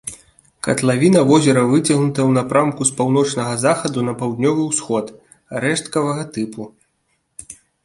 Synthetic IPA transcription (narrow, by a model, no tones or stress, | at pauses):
kɐ̰t̪lˠavʲinɐvɔzʲɛɾɐvɨt͡sʲɐɣnut̪ɐwnapɾʔamkuspawnɔt͡ʂnɐɣɐzaxɐd̪unɐpawd̪nʲɔvɨwsxɔt̪ | aɾɛʂt̪kɐvɐɣɐt̪ɨpu